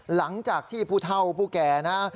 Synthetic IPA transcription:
la˩˦ŋt͡ɕaː˨˩k̚t̪ʰiː˥˩pʰuː˥˩t̪ʰa˥˩wpʰuː˥˩kɛː˧na˦˥

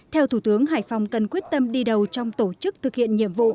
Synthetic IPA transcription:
t̪ʰɛ˧wt̪ʰu˧˩t̪ɨ˨˦əŋɦa̰ː˧˩jfa˨˩wŋ͡mkə˨˩nkwi˦˥ət̚t̪ə˧mɗi˧ɗə˨˩wt͡ɕɔ˧wŋ͡mt̪o˧˩t͡ɕɨ˦˥k̚t̪ʰɨ˨˩k̚hḭ˧˨ənɲḭ˧˨əmvṵ˧˨

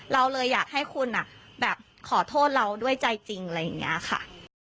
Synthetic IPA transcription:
ɾa˧wlɤː˧jːaː˨˩k̚ha˥˩jkʰu˧nʔa˨˩bɛː˨˩p̚ | kʰɔː˩˦t̪ʰoː˥˩t̪̚ɾa˧wdu˥˩əjt͡ɕa˧jt͡ɕi˧ŋla˧jːa˨˩ŋːḭ˦˥ɐkxʰa̰˥˩

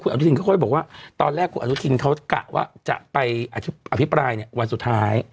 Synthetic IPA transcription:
kʰu˧na˧nu˦˥t̪ʰi˧kʰɔ˥˩kʰːjbɔː˨˩k̚waː˥˩t̪ɔː˧nlɛː˥˩kʰːu˧nʔu˦˥t̪ʰi˧nkʰa˦˥wka̰˨˩wa̰ː˥˩t͡ɕa̰˨˩ʔpa˧jʔa˧t̪ʰi˦ʔa˧pʰi˦˥pɾaː˧jni˧˩əwa˧nsu˨˩t̪ʰːaː˦˥j

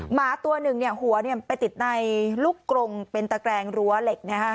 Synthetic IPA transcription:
maː˩˦t̪u˧ɐnɯ˨˩ŋni˥˩ɐhu˩˦ɐni˥˩ɐpa˧jt̪i˨˩t̪̚na˧jlu˦˥kːɾo˧ŋpe˧nt̪a˧kɾɛː˧ŋɾu˧˦˥ɐle˨˩k̚na˦˥kʰa˦˥ʔ

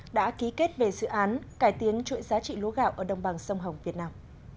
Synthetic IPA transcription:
ɗa̰ː˧˥ki˨˦ke˦˥t̚ve˨˩zɨ̰˧˨ʔaː˨˦nkaː˧˩jt̪i˨˦ənt͡ɕwḭ˧˥nzaː˨˦t͡ɕḭ˧˨lṵ˧˦ɣaː˧˨wʔəː˧˩ɗə˨˧˩wŋ͡mɓaː˨˩ŋsə˧wŋ͡mɦə˨˩wŋ͡mvi˨˩ət̚naː˧m

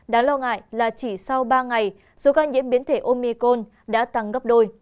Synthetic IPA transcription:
ɗaː˨˦nlɔ˧ŋa̰ː˧˨jlaː˨˩t͡ɕi˧˩sa˧wɓaː˧ŋa˨˩j | so˨˦kaː˧nzḭ˧˥ənɓi˨˦nt̪ʰe˧˩ʔo˧mi˧ko˧n | ɗa̰ː˧˥t̪a˨˩ŋɣə˦˥p̚ɗo˧j

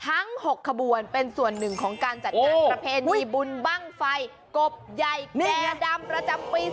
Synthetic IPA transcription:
t̪ʰa˦˥ŋho˨˩kʰːa˧bu˨˩ənpe˧nsu˨˩ənːɯ˨˩ŋkʰɔː˩˦ŋkaː˧nt͡ɕa˨˩t̚ːnaː˥˩pɾa˧pʰeː˧niː˧bu˧nba˥˩ŋfa˧j | ko˨˩p̚ja˨˩jniɛː˩˧da˧mpɾa˧t͡ɕa˧mpiː˧

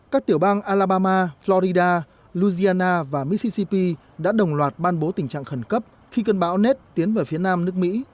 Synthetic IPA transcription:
kaː˦˥k̚t̪i˧˩əwɓaː˧ŋʔaː˧laː˧ɓaː˧maː˧flɔ˧ɾi˧ɗaː˧ | lu˧zi˧aː˧naː˧vaː˨˩mi˧˦˥t̚si˧si˧pi˧ | ɗa̰ː˧˥ɗə˨˩wŋ͡mlwaː˨˩t̚ɓaː˧nɓo˨˦t̪ï˨˩ŋ̟t͡ɕa̰ː˧˨ŋxə˧˩nkə˦˥p̚ | xi˧kə˧nɓaː˨˦wne˦˥t̚t̪i˨˦ənveː˨˩fi˨˦ənaː˧mnɨ˦˥ək̚mḭ˧˥

